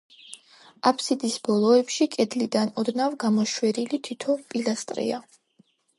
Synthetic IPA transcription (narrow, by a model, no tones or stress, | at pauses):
apʰsid̪isbɔlˠɔɛpʃikʼɛd̪lid̪anɔd̪navɡamɔʃwɛɾilit̪ʰit̪ʰɔpʼilast̪ʼɾḭa